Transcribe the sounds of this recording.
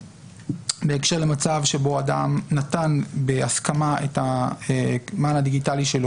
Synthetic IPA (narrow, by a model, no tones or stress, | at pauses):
be̞ekʃe̞ʁlemat͡savʃe̞bo̞adamnatanbeaskamaetaemanhad̪iɡitaliʃe̞lo